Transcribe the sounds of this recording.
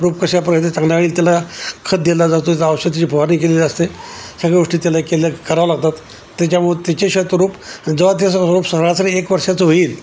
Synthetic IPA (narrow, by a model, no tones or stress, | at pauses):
ɾuːp̚kəɕjapɾəjt̪et͡sãŋɡljaʋeɽiːlt̪jalakʰət̪̚d̪elad͡zast̪ot̪alaːwɕət̪ːit͡ɕipoaniːkeliləst̪esəɡɭeɡoʂʈiːt̪jalakeləkəɾaʋlaɡ̚t̪at̪ː | jat͡ɕjamuɭet̪jat͡ɕeɕət̪ʋəɾuːpd͡zəʋat̪̬assəɾuːpsəɭat͡saɾiekʋəɾʂat͡səɦoiːl